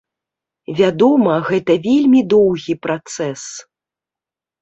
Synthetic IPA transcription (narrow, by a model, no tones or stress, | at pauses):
vʲad̪ɔmɐɣɛt̪ɐvʲelʲmʲid̪ɔwɣʲipɾat̪sɛs